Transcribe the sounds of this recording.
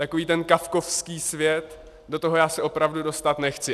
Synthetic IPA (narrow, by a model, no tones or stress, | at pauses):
t̪ako̞viːt̪ɛnkafko̞fskiːsvjɛt̪ | do̞t̪oɦojaːsɛʔo̞pɾavdudo̞st̪at̪nɛxt͡sɪ